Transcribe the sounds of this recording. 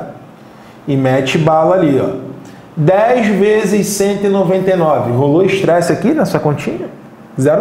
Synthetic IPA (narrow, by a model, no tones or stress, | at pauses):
ɪmɛt͡ʃɪbalaliɔ̰ | d̪ɛjzvezɪʃsẽnt̪ʊɪnovẽnt̪ejnɔvɪɦoloɪʃt̪ɾɛsɪakinɐsuɐkõt͡ʃĩɲɐ | zɛɾ